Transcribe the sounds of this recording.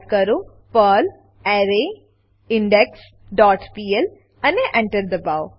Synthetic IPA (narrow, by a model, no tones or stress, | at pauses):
kɐɾo | pəːl | ɛːɾe | ɪ̃ɳɖɛks | ɖɔːʈpiːɛl | ɐ̃neʔɛ̃ɳʈəɾd̪əbaːʊ